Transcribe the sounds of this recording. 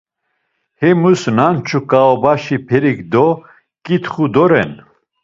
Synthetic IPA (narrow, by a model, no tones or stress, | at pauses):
hɛmusnant͡ʃʰukʼaɔbaʃipʰɛɾikd̪ɔ | kʼit̪χud̪ɔɾɛ̰n